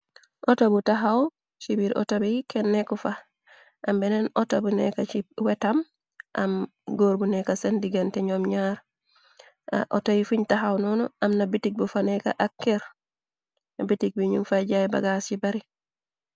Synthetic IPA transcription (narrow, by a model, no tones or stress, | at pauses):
ʔɔtabutaɦaw | t͡ʃibiɾʔɔ̰tabikɛnːekufa | ʔambɛnɛnɔtabunḛkat͡ʃiwetam | ʔa̰mɡoɾbunekasendiɡantɛɲomɲaɾ | ʔo̰tajifuɲtaɦawnɔnɔʔamnabitik̚bufaneka̰ʔakːeɾ | nabitik̚biɲunfaɟajba̰ɡast͡ʃibaɾi